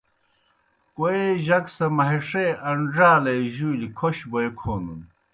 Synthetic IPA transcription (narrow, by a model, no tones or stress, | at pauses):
koeʑɐksɐmɐɦeʂeɐɳɖaːlejʑujlikʰoɕboekʰoːnṵn